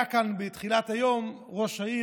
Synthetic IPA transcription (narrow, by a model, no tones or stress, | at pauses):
akanbet̪χilat̪ajom | ʁoʃai